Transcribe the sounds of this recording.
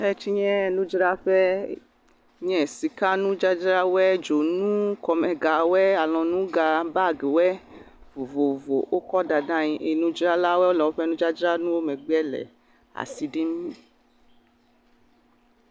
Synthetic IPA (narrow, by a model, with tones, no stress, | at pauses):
ɛ˦t͡ʃi˧ɲɛ̃˦ɛ˧nũ˦d͡ʒi˦ɾa˦ɸɛ˦ | ɲɛ̃˦˨si˧ka˦nũ˦d͡ʒa˦d͡ʒɾa˦wɛ˦d͡ʒo˨nũ˦kɔ˧mɛ̃˧ɡa˨wɛ˦a˨lɔ̃˨˧nũ˦ɡa˧ba˦˨ɡe˨wɛ˦ | vo˨vo˨vo̰˨ʔo˦kɔ˦da˧dã˦ɲĩ˧ʔe˨˧nũ˦d͡ʒɾa˦la˦wɛ˦o˦lɔ˨wɸɛ˦nũ˦d͡ʒa˦d͡ʒɾa˦nũ˦o˦mɛ̃˨ɡ͡bɛ˦lɛ̰˨ | a̰˨si˨˧di˦m˦